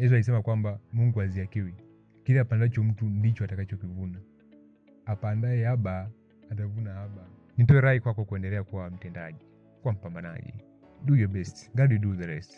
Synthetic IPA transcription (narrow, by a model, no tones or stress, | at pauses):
jɛs̬alis̬ɛmakwambamuŋɡuaziakiwi | kilɛapandat͡ʃɔm̩tundit͡ʃɔatakat͡ʃɔkivuna | apandaɛhabaː | t̬avunahaba | nit̬ɔɛɾaikwakɔkuɛndɛlɛakuwam̩tɛnda̰ʄi | kwam̩pambana̰ʄḭ | dujɔbɛsti̥ŋɡadiduðɛɾɛst